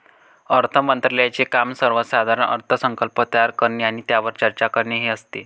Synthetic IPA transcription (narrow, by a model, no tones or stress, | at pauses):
əɾt̪ʰəmənt̪ɾəljat͡sekamsəɾʋəsad̪ʱaɾəɳə̰ɾt̪ʰəsəŋkəlpət̪əjaɾkəɾɳeaɽ̃it̪jaʋəɾt͡ɕəɾt͡ɕakəɾɳeɦeəst̪e